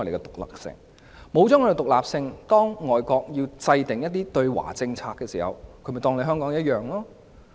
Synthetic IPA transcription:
jle˨˧kɛ˧t̪ʊ˨˩k̚la̰ː˨˩k̚sɪ̰˧ŋ | mo˨˧wt͡sɔː˨˥ŋkːkɛ˧t̪ʊ˨k̚laː˨p̚sɪ˧ŋt̪ɔː˥ŋːɔː˨jkɔː˧k̚ji˧wt͡sɐ˧jt̪ɪ˨˩ŋjɐ˥t̚t̪iː˥t̪ɵ˧ɥwa̰ː˨˩t͡sɪ˧ŋt͡sʰaː˧kːɛː˧sḭː˨˩hɐ̰˨wkʰɵ˨˧˥mɐ˨jt̪ɔː˧ŋle˨˧jɦœː˥ŋkɔː˨˥ŋjɐ˥t̚jœː˨ŋlɔː˥

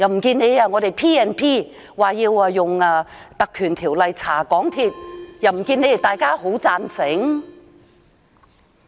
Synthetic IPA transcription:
jɐ˨˩wm̩˨˩kiː˧ne˨˧jaː˧ŋɔː˨˧ɾe˨˩jpʰiː˥ɛː˧npʰiː˥ | waː˨˩jiː˧waː˧jʊ˨˩ŋaː˧t̪ɐ˨kʰyː˨˩nt̪ʰiː˨˩wlɐ˨jt͡sʰaː˨˩kɔː˨˥ŋt̪ʰiː˧t̚jɐ˨˩wm̩˨˩kiː˧ne˨˧jt̪aː˨jkaː˥ho˨˥wt͡saː˧nsɪ˨˥ŋ

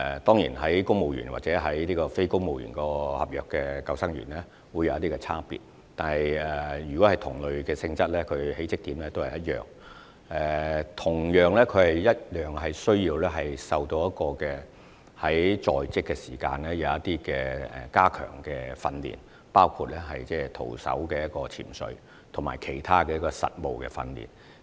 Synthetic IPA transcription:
ɛ˨˩t̪ɔː˥ŋjḭː˨˩nɦɐ˨˥jkʊ˥ŋmo˨˧wjy̰ː˨˩nwa̰˨t̚t͡sɛː˨˥ɦɐ˨˥jliː˥kɔː˧fe˥jkʊ˥ŋmo˨wjy̰ː˨˩nkɔː˧hɐ̰˨p̚jœː˨kːɛː˧kɐ˧wsɐ˥ŋɥy̰˨˩nlɛː˥ | wuː˨˧jɐ˨˧wjɐ˥t̪iː˥kɛ˧t͡sʰaː˥pḭː˨t̚ | t̪aː˨nɐ˨jɛ˨jyː˨˩kɔː˨˥hɐ˨jt̪ʰʊ˨˩ŋlɵ˨ɥkɛː˧sɪ˧ŋt͡sɐ˥t̚lɛː˥kʰɵ˨˧ɥhe˨˥jt͡sɪ˥k̚t̪iː˨˥mlɛː˥t̪o˥whɐ˨jɐ˥t̚jœ̰ː˨˩ŋ | ʔɛː˨t̪ʰʊ˨˩ŋjœː˨˩ŋlɛː˥kʰɵ˨˧ɥhɐ˨jːɐ˥t̚jœː˨ŋɦɐ˨jsɵ˥ɥjiː˧wlɛː˥ɦɐ˨jsɐ˨wt̪o˧wjɐ˥t̚kɔː˧kɛː˧ | hɐ˨˥jt͡sɔː˨jt͡sɪ˥kːɛː˧siː˨˩ka̰ː˧nlɛː˥jɐ˨˧wɐ˥t̪iː˥kɛː˧ɛ̰˨kaː˥kʰœ̰ː˨˩ŋkɛː˧fɐ˧nlḭː˨˩n | paː˥wkʰuː˧t̚lɛː˥ɦɐ˨jt͡sɛː˥t̪ʰo̰˨˩wsɐ̰˨˥wkɛː˧jɐ˥t̚kɔː˧t͡sʰḭ˨˩nsɵ̰˨˧˥ɥ | t̪ʰʊ˨˩maː˨˩jkʰe˨˩jt̪ʰaː˥kɛː˧jɐ˥kɔː˧sɐ̰˨t̚mo˨wkɛ̰ː˧fɐ̰˧nlḭː˨˩n

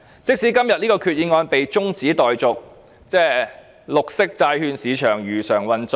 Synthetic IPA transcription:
t͡sɪ˥k̚siː˨˥kɐ˥mjɐ˨t̚niː˥kɔː˧kʰyː˨t̚jiː˨˧˥ŋɔː˧npe˨jt͡sʊ˥ŋt͡siː˨˥t̪ɔː˨jt͡sʊ˨k̚ | t͡sɛː˥ | lʊ˨k̚sɪ˥k̚t͡saː˧jhyː˧nsiː˨˧t͡ʃʰœː˨˩ŋɥyː˨˩sœː˨˩ŋwɐ˨nt͡s

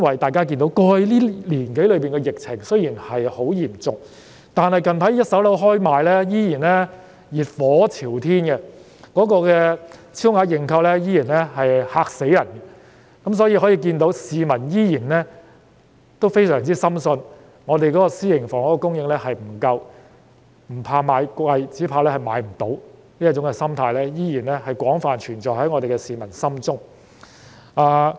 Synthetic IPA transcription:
ɐ˥nwɐ˨jt̪aː˨jkaː˥ki˧nt̪o˨˧˥wkɔː˧˨˧jliː˥liː˨˩nke˨˥jlɵ˨˧ɥpiː˨nkɛ˧jɪ˨k̚t͡sʰɪ˨˩ŋsɵ˥ɥjiː˨˩nhɐ˨jho˨˥wjiː˨˩mt͡sʊ˨ŋ̚ | t̪aː˨nhɐ˨jkɐ˨npʰɐ˨˥jjɐ˥t̚sɐ˨˥wlo˨˥wɦɔː˥jmaː˨jlɛː˥jiː˥jiː˨˩nlɛ˥ | jiː˨˩t̚fɔː˨˥t͡sʰiː˨˩wt̪ʰiː˥nɡɛ˧ | kɔː˨˥kɔː˧kɛː˧t͡sʰiː˥wŋaː˨˧˥jɪ˨ŋkʰɐ˧wlɛ˥jiː˥jiː˨˩nlɛ˥ɦɐ˨jhaː˧k̚se˨˥jɐ˨˩nɛ˧ | kɐ˨˥ms̬ɔː˨˥jiː˧hɔ˨˥jiː˧k̬iː˧nt̪o˨˧˥wsiː˨˧mɐ˨˩njiː˥jiː˨˩nlɛ˥ | t̪o˥wfe˥jsœː˨˩ŋt͡siː˥sɐ˥msɵ˧n | ŋɔː˨˧t̪e˨jkɔː˨˥kɔː˧siː˥jɪ˨˩ŋfɔː˨˩ŋɔ˨˥kɔ˧kʊ˥ŋjɪ˧ŋlɛː˥hɐ˨jm̩˨˩kɐ˧w | m̩˨˩pʰaː˧maː˨˧jkɐ˧jt͡siː˨˥pʰaː˧lɛː˥hɐ˨jmaː˨˥jm̩˨˩t̪o˨˥w | niː˥ɐ˥t͡ʃːʊ˨˥ŋkɛ˧sɐ˥mt̪ʰaː˧jlɛː˥jiː˥jiː˨˩nlɛ˥hɐ˨jkʷwɔː˨˥ŋfaː˨nt͡ʃʰyː˨˩nt͡ʃɔː˨˩hɐ˨˥jŋɔː˨˧t̪e˨kɛ˧siː˨˧mɐ˨˩nsɐ˥mt͡sʊ˥ŋ | aː˧˩

